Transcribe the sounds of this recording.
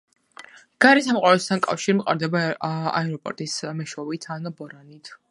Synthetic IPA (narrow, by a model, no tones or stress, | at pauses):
ɡ̥aɾisamqʼwaɾɛst̪ʰankʼa̰fʃiɾmqʼa̰ɾd̪ɛbaa̰ɛɾɔpʼɔ̰ɾt̪ʼismɛʃɔvit̪ʰanɔbɔɾanit̪ʰ